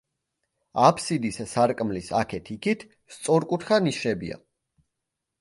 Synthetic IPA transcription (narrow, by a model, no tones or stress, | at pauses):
apʰsid̪issaɾkʼmlisakʰɛt̪ʰikʰit̪ʰ | st̪sʼɔɾkʼut̪ʰχaniʃɛbḭa̰